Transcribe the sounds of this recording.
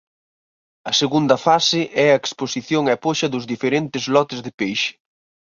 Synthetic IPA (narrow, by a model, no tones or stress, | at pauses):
ɐseɣund̪ɐfasɪʔɛɐeksposiθjoŋɛpoʃɐðʊzðifeɾent̪ɪzlɔt̪ɪzðɪpejʃɪ̥